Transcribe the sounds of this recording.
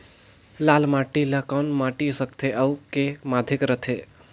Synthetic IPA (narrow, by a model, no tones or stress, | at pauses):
lalmaʈiləkanmaʈisəkt̪ʰeʔəwkemad̪ʱekɾət̪ʰe